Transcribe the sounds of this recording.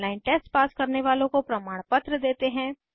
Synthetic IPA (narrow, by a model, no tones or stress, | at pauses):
laːɪnʈɛːsʈpaːskɐɾneʋaːlõkopɾɐmaːɽ̃pət̪ɾəd̪eːt̪eɦɛ̃ː